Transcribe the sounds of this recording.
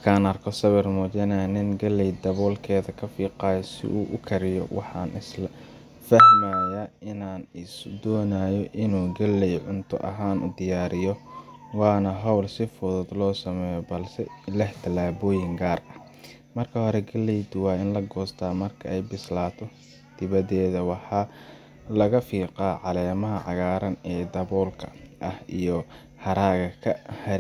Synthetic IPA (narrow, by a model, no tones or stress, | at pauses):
mɐkʰaːnɐrkʰɔsɐβɛrmɔːt͡ʃɐnaːnɪnɡɐlɛjd̪ɐβɔːlkʰɛːðɐkʰɐfiːqɑːjɔsɪ̰ʔṵːʔʊ̰kʰɐɾɪjɔ̰wɑ̰ħɑːnʔɪ̰s | fɐhmaːjɐɪnaːnɪsd̪ɔːnaːjɔʔɪnuːɡɐlɛjʕʊnt̪ʰʊ̰ʔɐ̰ɦaːnʔʊ̰d̪ɪjaːɾɪjɔ | wɑːnɐɦɑwlsɪfʊðʊd̪lɔːsɐmɛːjɔbɐlsɛlɛħt̪ʰɐlaːβɔːjɪŋɡaːrɐh | mɐrkʰɐhɔɾɛɡɐlːɛjd̪ʊwɑːɪnlɐɡɔːst̪ʰaːmɐrkʰɐɛjbɪslaːt̪ʰɔ | d̪̥ɪβɐðɛːðɐwɑħɑː | lɐɣɐfiːqaːʕɑlɛːmɐɦɐʕɑ̰ɣaːɾɐnɛːd̪ɐβɔːlkʰɐʔɐhijɔ | hɐɾaːɣɐkʰɐhɐɾ